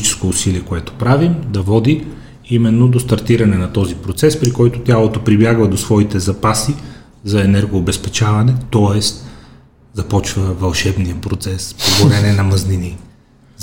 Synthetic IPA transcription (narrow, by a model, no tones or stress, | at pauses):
t͡ʃɛ̥skoːsiliɛkoɛt̪o̥pɾavimd̪ɐvɔd̪i | imɛnːod̪ost̪ɐɾt̪iɾɐnɛnɐt̪ɔzipɾot̪sɛspɾikɔjt̪ot̪ʲjalˠot̪opɾibjaɡvɐd̪osvɔit̪ɛzɐpasi | zɐɛnɛɾɡoːbɛspɛt͡ʃavɐnɛt̪ɔɛst̪ | zɐpɔt͡ʃvəvɐlˠʃɛbniəpɾot̪sɛspoɡoɾɛnɛnɐmɐznini